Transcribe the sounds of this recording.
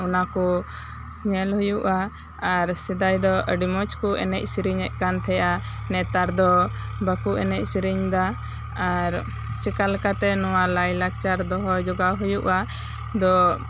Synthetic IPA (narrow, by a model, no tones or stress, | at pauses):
unakɔ | ɲɛlhujuʔaː | ɾsɛd̪ajd̪ɔəɖimɔt͡ʃkuɛnɛc̚siɾiɲɛʔ̚kant̪ʰɛjʔanɛt̪aɾd̪ɔ | bakuʔɛnɛc̚ˀsiɾiɲd̪a | aɾ | t͡ʃɛkalkat̪ɛnɔwalajlak̚t͡ʃaɾd̪ɔɦɔd͡ʒɔɡaɦujuʔa | d̪ɔ